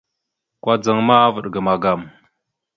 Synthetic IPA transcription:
kwa˦d͡zə˨ŋma˦a˦və˨ɗɡə˨ma˨ɡa˨m

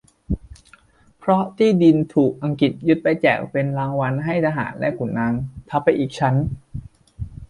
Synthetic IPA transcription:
pʰɾɔ˦˥t̪ʰiː˥˩di˧nt̪ʰuː˨˩k̚ʔa˧ŋki˨˩t̪̚ju˦˥t̪̚pa˧jt͡ɕɛ̰ː˨˩k̚pe˧nlaː˦˥ŋwa˧nɦa˥˩jt̪ʰaː˧ɦa̰ː˩˦nlɛ˦˥ku˨˩˦nːaː˧ŋt̪ʰa˧˦˥pʰːa˧jʔiː˨˩k̚t͡ɕʰa˦˥n

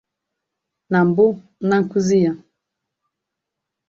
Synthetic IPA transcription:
na˨m˨bu˦ | na˦ŋ̩˨ku˦zi˦ja˨

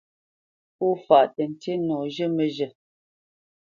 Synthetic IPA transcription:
u˦fa˨ʔtə˨n̩˨te˦nɔ˨ʒə˦mə˨ʒə˨

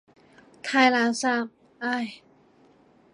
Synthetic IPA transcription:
t̪ʰaː˧jlaː˨˧˦wsa˧˩m̚ | ʔa˧˩j

